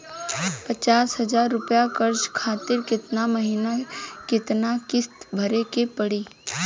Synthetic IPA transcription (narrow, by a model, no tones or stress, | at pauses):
pət͡ʃaːsɦɐd͡ʒaːɾːʊpjakəɾd͡ʒkʰaːt̪ɪɾkɪt̪naməɦiːnakɪt̪nakɪst̪bʱɐɾekepəɽiː